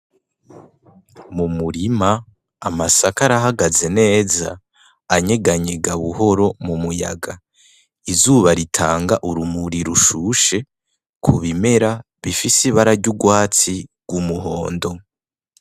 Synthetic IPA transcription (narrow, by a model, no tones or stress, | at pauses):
mumuɾimaː | masakaɾaɦaɡaze̞ne̞ːza̰ː | ɲe̞ɡaɲe̞ɡaβuɦo̞ɾo̞mumuja̰ɡa | izuːβaɾitʰaːŋɡaʔuɾumuɾiɾuʃuʃe̞ | kʰuβime̞ɾa | βifisiβaɾaɾɟuɡwaːt͡siɡ̥wumuɦo̞ːndo̞